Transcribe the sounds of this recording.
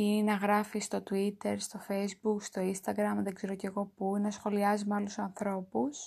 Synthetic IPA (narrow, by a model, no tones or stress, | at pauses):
inɐɣɾɐfist̪o̞t̪uit̪e̞ɾst̪o̞fejzbukst̪o̞inst̪ɐɡɾɐmðe̞ɡze̞ɾo̞ce̞ɣo̞puinɐsxo̞liɐzimɐlusoɐnθɾo̞pus